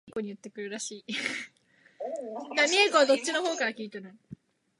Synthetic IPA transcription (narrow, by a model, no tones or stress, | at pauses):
ko̞ɲ̟iɯ̟t̪ːe̞kɯ̟ɾɯ̟ɾaɕiː | d̪amʲiekoβad̪o̞tt͡ɕːino̞ho̞ːkaɾakʲiːt̪enɯ